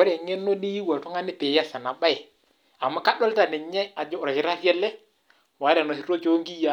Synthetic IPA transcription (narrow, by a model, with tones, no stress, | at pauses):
ɔ˦ɾɛ˨ŋɛ˦nːo˦di˦ji˦wa˨tɔ˦ŋa˦nɪ˦pɪ˨ja˦sa˨na˨ba˦ɪ˨ | a˨mːa˦ka˦ɗɔ˦lta˨nɪ˨ɲɛ˦a˨d͡ʒɔ˦˨ɾa˨ki˨˦ɾa˦ɾjɛ˦lɛ˦ | wa˨˦ɾɛ˨nɔ˨si˦ɾo˦t͡ʃo˦ŋɡi˦ja˦